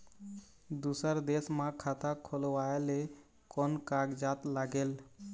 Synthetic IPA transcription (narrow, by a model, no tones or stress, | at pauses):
d̪usəɾd̪esmãkʰat̪akʰolwaele | kɔnkaɡd͡ʒat̪laɡeːl